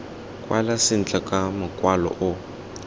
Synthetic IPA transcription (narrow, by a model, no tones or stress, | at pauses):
kʼwa̰lasɪn̩t͡ɬʼakʼamʊkʼwalɔ̰ʔʊ